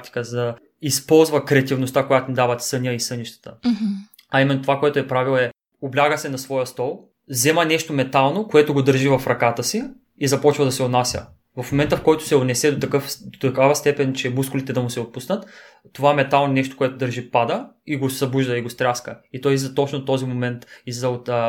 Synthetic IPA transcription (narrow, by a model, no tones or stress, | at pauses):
t̪i̥kəzɐd̪ɐ | ispɔlˠzvɐkɾɛɐt̪ivnost̪akojat̪onid̪avɐt̪sɤnʲəisɤniʃt̪ə̥t̪ə | ɐimɛnːot̪ovakoɛt̪ʊɛpɾavilˠɛ | oblʲaɡəsɛnɐsvɔjəst̪ɔlˠ | zɛmənɛʃt̪omɛt̪alˠnokoɛt̪ʊɡod̪əɾʒivɐfɾɐkat̪əsi | izɐpɔt͡ʃvɐd̪ɐsɛonasʲjə̰ | vɐfmomɛnt̪əfkɔjt̪ʊ̥sɛonɛsɛd̪ot̪ɐkɤfd̪ot̪ɐkavəst̪ɛpɛnt͡ʃɛmuskʊlit̪ɛd̪ɐmʊsɛot̪̚pusnət̪ː | ovaɛmɛt̪alˠnonɛʃt̪o̥koɛt̪od̪əɾʒipad̪əiɡosɐbuʒd̪əiɡost̪ɾʲaskəit̪ɔjzɐt̪ɔt͡ʃnot̪ːɔzimomɛnt̪izɐot̪ː